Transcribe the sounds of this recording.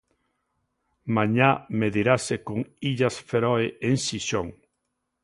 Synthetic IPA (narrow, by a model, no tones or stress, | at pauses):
mãɲameðiɾasekoŋiʎasfeɾɔeʔeŋsiʃoŋ